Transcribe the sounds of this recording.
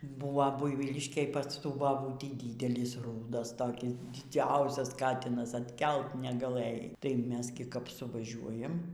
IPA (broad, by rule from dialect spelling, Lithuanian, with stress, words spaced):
ˈbuːʋɐ ˈbʊɪʋʲiːlʲɪʃʲkʲeːj pɐs ˈtuː bɐˈbuːtʲiː ˈdʲiːdʲɛlʲɪs ˈruːdɐs toːˈkʲɪs dʲɪˈd͡zʲɛʊsʲɛs ˈkɑːtʲɪnɐs ɐtʲˈkʲɛlˠt nʲɛɡɐˈlˠɘjɛɪ tɐɪ ˈmʲɛs ɡʲɪ kɐp sʊʋɐˈʒʲuɔjɛm